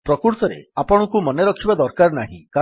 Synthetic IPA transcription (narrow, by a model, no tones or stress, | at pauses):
pɾɔkuɾt̪ɔɾḛapɔɽ̃ɔkumɔneɾɔkʰibad̪ɔɾkaɾnaɦḭ̃ka